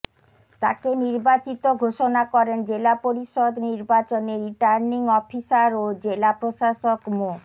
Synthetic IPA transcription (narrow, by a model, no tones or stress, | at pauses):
t̪a̰keniɾbat͡ɕit̪oɡʱoʃonakɔɾend͡ʑelapoɾiʃod̪niɾbat͡ɕoneɾiʈaɾniŋɔfiʃaɾod͡ʑelapɾoʃaʃokmo